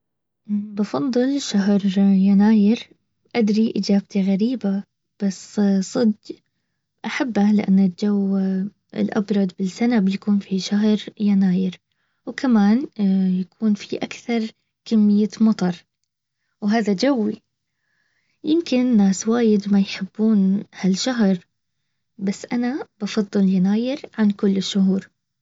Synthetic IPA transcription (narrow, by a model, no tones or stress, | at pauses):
bɑfɑðˤːɨlʃaɦɾˤjanaːjɪɾ | ʔad̪ɾiʔɪd͡ʒaːb̚t̪iɣaɾiːba | b̥assˤɨd̪ | ʔaħabːalɪʔa̰nːɪd͡ʒawː | ɪ̰lʔɑ̰bɾˤɑd̪ˤbɪsanabjakuːnfiʃaɦɾjanaːjɪɾ | wkʰamaːnjakuːnfiʔakθɑɾˤ | kamːɪjːamɑt̪ˤɑɾˤ | wɦaːðad͡ʒawːi | jɪmkɪnnːaːswaːjɪd̪majħɪbːuːnhalʃaɦɾ | basːʔanab̥ɑfɑðˤːɨljanaːjɪɾʕankʊlːɪʃːʊɦuːɾ